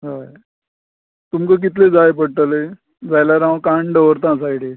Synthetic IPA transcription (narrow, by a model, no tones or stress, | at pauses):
ɦa | t̪umkak̬it̪led͡zajepəɽʈ̪əle | d͡zajlaɾãkãɳɖəʋəɾt̪ãs̬ajɽe